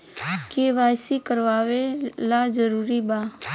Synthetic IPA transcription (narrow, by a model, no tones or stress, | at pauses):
keːʋaːsikəɾʋaːʋelad͡ʒəɾuːɾibaː